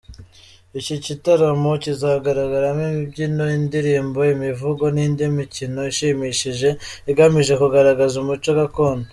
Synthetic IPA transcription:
icicitaɾamo̞cizaːɡaɾaɡaɾamimibɟinoindiɾiːmbo̞imivuɡo̞nindimicino̞iʃiːmiʃiʒe̞ | iɡamiʒe̞kuɡaɾaɡazumut͡ʃoɡako̞ːndo

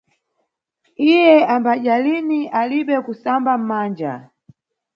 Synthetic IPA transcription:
ijɛambaʄaliniʔaliɓɛkusambam̩maːnd͡ʒa̰

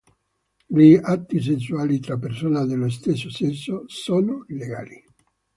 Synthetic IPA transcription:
liat̪ːis̬ens̬ːuaːlit̪ɾapːersoːnad̪elos̬t̪esːosensːosoːnoileɡa̰ːli

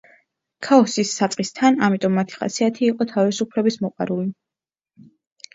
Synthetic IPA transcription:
kʰaɔsisːat̪sʼqʼist̪ʰanamit̪ʼɔmːat̪ʰi̥χa̰siat̪ʰiːqʼɔt̪ʰavisupʰlɛbismɔqʼwa̰ɾuli

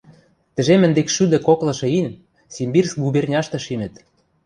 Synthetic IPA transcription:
t̪ɘ̆ʒemɘ̆nd̪ekʃyd̪ɘ̆koklɤ̆ʃɤ̆inʲ | simbirs̚ɡubernʲɑʃt̪ɤ̆ʃinə̆t̪

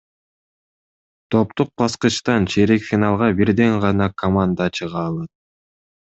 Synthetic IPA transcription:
t̪ʰo̞p̚t̪uq̚bɑsqɯʃt̪ɑnt͡ʃʰeɾekfʲinɑlˠʁɑbiɾd̪eŋʁɑnɑkʰomand̪at͡ʃɯʁɑːlˠɑt̪̚

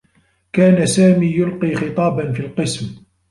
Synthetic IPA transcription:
kaːnasaːmiːjʊlqiːxɨt̪ˤɑːbanfiːlqɨsm

